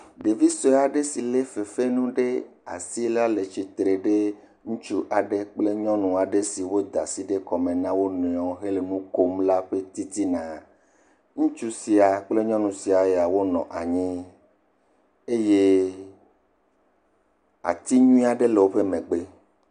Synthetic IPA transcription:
ɖe˨vi˦sɔ˨˦a˨ɖe˦si˨le˦fe˨fe˦nũ˦ɖe˦ | a̰˨si˦la˦le˨t͡ʃi˨t̪ɾe˨ɖe˦ | ŋũ˦t͡ʃu˦ʔa˨ɖe˦k͡ple˦ɲɔ̃˦nũ˨a˨ɖe˦si˨wo˦d̪a˨si˦ɖe˦kɔ˨mẽ˨nã˦wo˦nɔ̃˨ɔ̃˨ɦe˦le˨nũ˦ko˦mla˦ɸe˦t̪i˦t̪i˦nã˨ | ŋũ˦t͡ʃu˦si˨a˨k͡ple˦ɲɔ̃˦nũ˨si˨a˨je˦a˨wo˦nɔ̰̃˨ʔa˨ɲĩ˦ | e˦je˦ | a̰˨t̪i˦ɲũ˦ĩ˦a˨ɖe˦le˨wo˦ɸe˦mẽ˨ɡ͡be˦

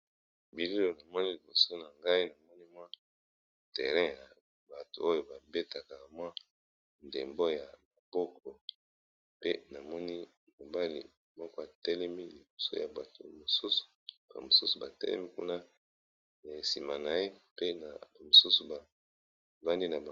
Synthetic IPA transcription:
bi˨li˦lo˨na˨mɔ˦ni˦li˨bo˨so˦na˨ŋɡa˦i˦na˨mɔ˦ni˦mwa˦ | tɛ˨ʁɛ̃˦ja˨ | ba˨to˨o˦jo˨ba˨be˦ta˨ka˨mwa˦ | ndḛ˨mbo˦ja˨ma˨b̥ɔ˦kʰɔ˨ | pe˦na˨mɔ˦ni˦ | mo˨ba˦lḭ˨ | mɔ˦kɔ˦a˨tɛ˦lɛ˦mi˦li˨bo̥˨so̰˦ja̰˨ba˨to̰˨mo˨su˦su̥˨ | ba̰˨mo˨su˦su˨ba˨tɛ̰˦lɛ̰˦mi˦kṵ˦na˦ | na˨e˨si˨ma˨na˨je˦pe˦na̰˨ba˨mo˨su˦su˨ba˨ | va˦ndi˦na˨ba˨

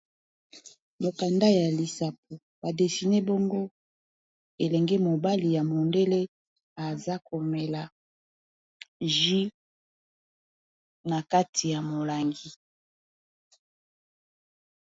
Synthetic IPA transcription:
mo˨ka˨nda˦ja˨li˨sa˨p̚o˨ | ba˨de˨si˨ne˦bo˦ŋɡo˦ | e˨lɛ˨ŋɡɛ˦mo˨ba˦li˨ja˨mo˨nde˦le˦ | a˨za˦ko˨mɛ˨la˨ | ʒi˦ | na˨ka˦tʰi˨ja˨mo˨la˨ŋɡi˦

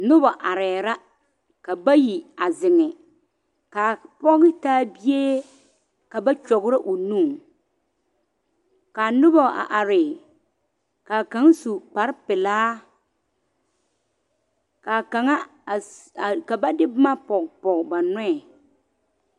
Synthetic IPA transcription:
nʊ˦ba˨ʔa˨ɾɛː˨ɾa˦ | ka˨ba˦ji˨a˨zɪ˨ŋɪ˨ | ka˨pɔ˦ɣɪ˦taː˦bi˦je˦ | ka˨ba˦t͡ʃɔ˨ɣʊ˦ɾa˦ʔo˨nuː˦˨ | ka˨nʊ˦bɔ˦˨a̰˨ʔa˨ɾɪ˨ | ka˨ka˨˦ŋ˦su˨k͡pa˨ɾɪ˦pɪ˨laː˦ | ka˨ka˨ŋa˦˨ | ka˨ba˦dɪ˦bma˦pɔ˨kpɔ˨kba˨nɛ˦ɛ˨

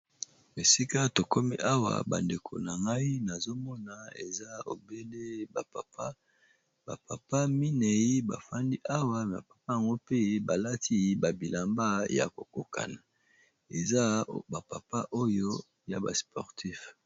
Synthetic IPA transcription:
e˨si˦ka˦to˨ko˦mi˦ʔa˦wa̰˨ba̰˨nde˨kʰo̰˨na˨ŋɡa˦i˦na˨zo˦mɔ˦na˨ḛ˨za˦o̰˨be˦le˦ba˨a˦ | ba̰˨pa˨pa˦mi˦nɛ˨i˦ba̰˨fa˦ndi˦ʔa˦wa˦a̰˨pḁ˨pa˦ja˨ŋɡo˦pe˦ba˨la˦ti˦ba˨bi˨la˨mba˦ja̰˨ko˨ko˨ka̰˨na˨ | e˨za˦ba˨pa˨pa˦ʔo˦jo˦ | ja˨ba̰˨spɔ˨ʁti˦f

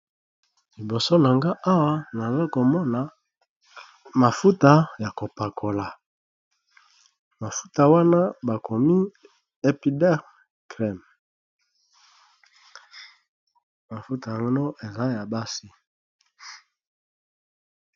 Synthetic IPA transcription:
li˨bo˨so˦na˨ŋɡa˦ʔa˦wa˦na˨zo˦ko˨mɔ˦na˨ | ma˨fu˦ta˦ja˨ko˨pa˨kʰo˨la˨ | ma˨fu̥˦ta˨wa˦na˦ba˨kʰo˨mi˦ | e˦pi˦dɛ˦ʁ | kʁɛ˦˨m | ma˨fu˦ta˨ŋo˦no˦ʔe˨za˦ja˨ba˦si˦

